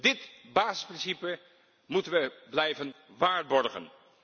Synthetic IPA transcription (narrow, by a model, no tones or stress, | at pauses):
dɪtbaːzəsprɪnsipə | mutənʋəblɛjvən | ʋaːɹbɔɹχə̰n